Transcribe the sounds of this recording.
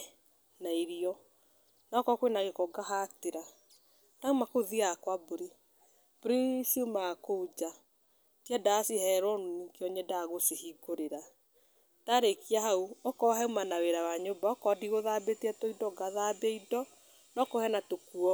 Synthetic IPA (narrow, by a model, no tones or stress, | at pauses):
naiɾiɔ | nɔkɔkwenaɣekɔɡaɦateɾa | naumakoðiakwaboɾi | b̥ɾisumakoud͡ʒa | tjadasihɛɾɔnunikeɔɲɛdaɣosehiɡoɾeɾa | taɾekiaɦauɔkɔɦɛumanaweɾawaɲobaɔkɔdiɣoðabetiɛtɔidɔɡaðabeidɔ | nɔkɔhɛnatokuɔ